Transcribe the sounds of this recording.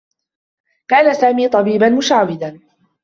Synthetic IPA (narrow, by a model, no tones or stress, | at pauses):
kaːnasaːmiːt̪ˤɑbiːbanmʊʃaːwɪd̪aːn